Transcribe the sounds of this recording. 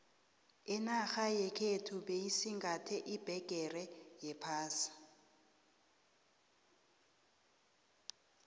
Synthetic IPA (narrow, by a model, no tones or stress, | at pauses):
ɪnaxajɛkʰetʰuɓejisiŋɡʱatʰɛʔib̥ʱɛɡ̥ʼʱɛrɛjɛpʰaːsḁ